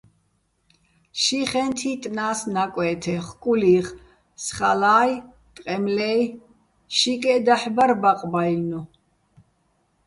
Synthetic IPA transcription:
ʃiχɛnt̪ʰit̪ʼnaːsnakʼwɛːt̪ʰɛχkʼuliːχ | sχalaːj | t̪ʼqʼɛmlɛj | ʃikʼɛd̪aħbaɾbaqʼbajnu

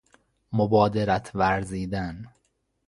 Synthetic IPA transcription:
mobɒːd̪eɾæt̪ʰvæɾziːd̪æn

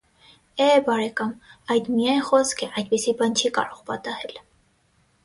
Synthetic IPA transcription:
ɛbɑɾɛkɑmɑjd̪mijɑnχɔskʰɛʔɑjd̪̚pisibɑnt͡ʃʰikɑ̰ɾɔʁpɑt̪ɑhɛl

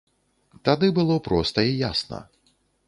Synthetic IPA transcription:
t̪ad̪ɨbɨlˠɔpɾɔst̪ɐijasnɐ̰

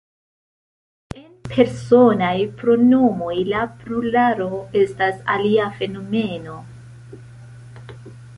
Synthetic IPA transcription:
e̞npʰe̞ɾso̞najpɾo̞no̞mo̞jlapɾulaɾo̞e̞stasa̰liafe̞no̞me̞no̞

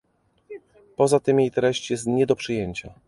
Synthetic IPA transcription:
pɔzat̪ɘmjejt̪ɾɛɕt͡ɕjɛst̪ɲɛd̪ɔpʂɘjeɲt͡ɕa

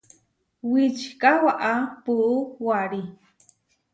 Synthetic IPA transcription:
wit͡ʃkawaʔapuʔuwaɾi

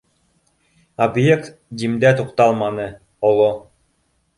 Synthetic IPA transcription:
objekt̪d̪ʲimd̪æt̪uqt̪ɑlˠmɑnɤ | olˠo

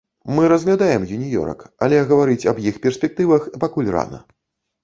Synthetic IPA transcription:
mɨɾɐzɣlʲad̪ajɛmjunʲijɔ̰ɾɐ̰ka̰lʲɛɣɐvaɾɨt͡sʲɐbjixpʲɛrsʲpʲɛk̚t̪ɨvɐxpakulʲra̰nɐ̰

